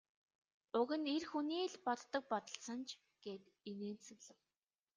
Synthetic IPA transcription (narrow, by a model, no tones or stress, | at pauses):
ʊɣɘ̆nerxuniːɮpɔt̪ːə̆k̚pɔt̪ə̆ɬsə̆nt͡ɕʰ | ɡ̥eːt̪ | eneːnt͡sɵ̆ɣɮə̆w